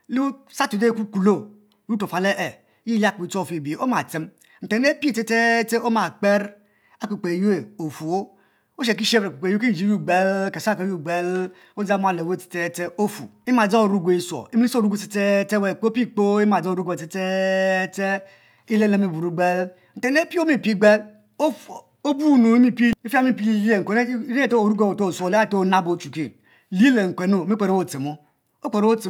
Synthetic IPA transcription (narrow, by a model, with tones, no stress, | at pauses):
lu˦sa˦tu˨de˦ku˦ku˨lo˦˨˦ | u˦to˨fa˨le˦ʔe˨ | ji˦i˦a˦˨k͡po˨i˨to˦˨fi˨bi˨o˦ma˨ti˦m | n̩˨te˨˦e˦pi˦˨te˦te˦te˦o˦ma˨k͡pe˦ɾ | a˦ku˨k͡pe˨ju˦e˨o˨fu˨o˦ | o˦ʃ̬e˨k̬i˦ʃe˦bɾe˨ku˨k͡pe˨ju˦ki˦˨d͡ʒi˦ju˦˨ɡ͡be˦lke˨sa˦ko˦ju˦˨ɡ͡be˦l | o˦za˦m˦a˨le˨we˦˨te̥˨te˦te˦o˦fṵ˨i˦ma˨d͡za˦o˨ɾu˦ɡʷe˨i˦sʷo̰˨i˦mi˦i˦˨ɾu˦ɡʷte̥˨˦te˦te˦we˨k͡po˦pi˦k͡po˦i˦ma˨d͡zo˦o˨ɾu˦ɡʷte˨te˦te˦ | i˦le˦le˦mi˦˨bu˨ɾu˦ɡ͡be˦l | n̩˨te˦ne˦pi˦o˦mi˦˨pi˦˨ɡ͡be˦l | o˦ | o˦bu˦˨no˨i˦mi˦pi˦i˦fa˦mi˦pi˦je˦˨ŋ̩˨e˨ne˦ɾe˦e˦to˦˨ɾu˦ɡe˦˨wo˨to˦˨so˦˨le˦a˦˨to˦˨na˦bo˨t͡ʃu˨ki˦ | li˦le˨ŋ̩˨kʷe˨no˦˨mi˦k͡pʷe˨ɾe˦o˦˨t͡se˨mo˦ | o˦k͡pe˨ɾo˦wo˦t͡se˨